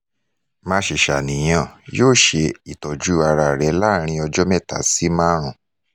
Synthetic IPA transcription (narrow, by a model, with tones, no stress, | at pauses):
mã˧ʃe˨ʃa˨nĩ˨j̃ã˦˨joː˦˨ʃe˧i˨tɔ˨d͡ʒu˨˦a˧ɾa˧˨ɾɛ˨˦la˦ɾ̃ĩ˧ɔ˧d͡ʒɔ˦mɛ˦˨ta̰˨˦si˦mã˦ɾ̃ũ˨